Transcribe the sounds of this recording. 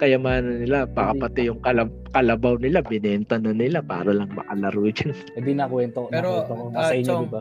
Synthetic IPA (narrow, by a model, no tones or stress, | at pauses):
kɐjɐmaːnɐnɪlapɐkɐpɐt̪ɪjʊŋkɐlɐ | kɐlɐbawnɪlabɪnɛnt̪ɐnɐnɪlapa̰ːɾɐlɐŋmɐ̰kɐlɐɾud͡ʒɐn | wɛd̪inakwɛnt̪oɛɾoɛt̪ooasɐɪɲd̪ɪba